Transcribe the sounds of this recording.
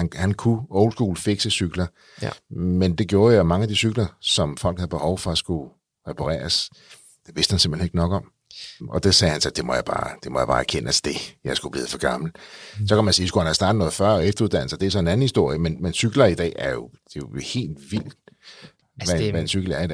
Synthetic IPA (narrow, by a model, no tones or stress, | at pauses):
ænhænkʰuɔʊl̥sɡ̥uːlfe̝ɡ̥səsyɡ̥lɐ | mend̥e̝ɡ̥jo̝ːɐjomɑ̈ŋəædisyɡ̥lɐsɒ̽mfɒ̽l̰ɡ̥hæð̩ˠb̥e̝hɒʊfɒ̽æsɡ̥u | ʁepʰɑʁɛ̰ːɐs | d̥e̝ʋe̝sd̥hænse̝m̰̥l̥eneɡ̥ənɒ̽ɡ̥ɒ̽m̰ | ɒ̽d̥esɛːhænsɒd̥e̝mɒjɑb̥ɑ̰̈ːd̥e̝mɒjäbɑ̈ːæɐkʰenæsd̥e̝jɑ̈ɪsɡ̥ub̥liːð̩ˠfɒɡ̥ɑ̈ml̩sɒ̽kʰæmænsiːskuhænhæsd̥ɑ̈ːdð̩nɔ̽ːð̩ˠfɶɐ̰ɒefd̥ɐuð̥ˠæn̰l̩sɐd̥eæsɒ̽e̝næn̩hisd̥o̝ɐ̰jəmenmensyɡ̥lɐid̥ɛ̰ːæɐjo̝d̥e̝johe̝̰ːld̥ʋil̰d̥ | ʋææensyɡ̥l̩æɐidɛ